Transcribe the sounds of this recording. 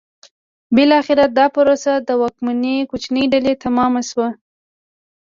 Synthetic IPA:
bɪlɑxɪɾad̪ɑpəɾosad̪əwɑk̚manekut͡ʃnəjɖalet̪amɑmaʃwa

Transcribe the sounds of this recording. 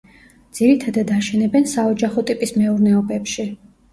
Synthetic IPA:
d̪z̥iɾit̪ʰad̪ad̪aʃɛnɛbɛnsaɔd͡ʒaχɔt̪ʼipʼismɛuɾnɛɔbɛpʃi

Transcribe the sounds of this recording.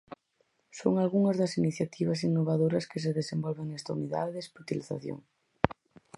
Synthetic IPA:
so̰ŋalɣuŋɐzðɐsiniθjat̪ʰiβ̞ɐs̬inːoβaðoɾɐskɪs̬eðesembɔlβeŋnɛst̪auniða̰ðesput̪iliθa̰θjo̰ŋ

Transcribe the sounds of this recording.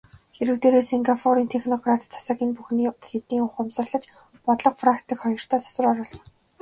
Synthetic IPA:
xeɾɘ̆kt̪eːɾeːseŋɡapʰɔɾiːnt̪ʰexnɔɡrat̪t͡sʰːḁsaːɣʲiːnpuxniːxet̪iːŋʊχʊmsə̆ɮə̆t͡ɕ | pɔt̪ɮɞ̆qfrakt̪ĭːkχɔjɞ̆r̥t̪ʰæːt̪ʰɔ̥sə̆rɔɾɔːsə̆ŋ

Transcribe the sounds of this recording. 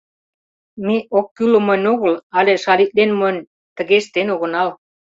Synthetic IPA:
meʔokːylə̆mɤ̆nʲoɣə̆lɑleʃɑlit̪̚lenmənʲ | t̪ə̆ɣeʃt̪enoɣə̆nɑl

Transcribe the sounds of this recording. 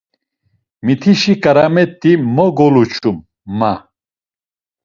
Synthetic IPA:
mit̪ʰiʃikʼaɾamɛt̪ʼːimɔɡɔlut͡ʃʰumː | a

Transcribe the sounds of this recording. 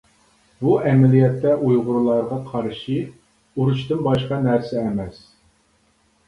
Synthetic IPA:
buʔɛmɛlijɛt̪ːɛʔujʁʊɾulˠɑɾʁɑqʰɑɾɨʃi | uɾut͡ʃt̪ɨnbɑʃqɑnæɾsɛːmɛs

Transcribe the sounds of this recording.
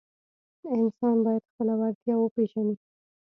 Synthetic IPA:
ɪnsɑnbɑjad̪̥xpəlawaɾt̪jɑwəpeʒani

